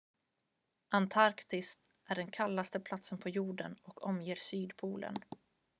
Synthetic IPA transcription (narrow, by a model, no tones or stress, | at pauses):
ʔant̪ʰaɾkt̪ɪst̪ | ʔæɖɛnkʰalːast̪əpʰlat̪sənpʰɔjuːɖənɔkʰɔmjeːɾsyːd̪pʰuːlʔə̰n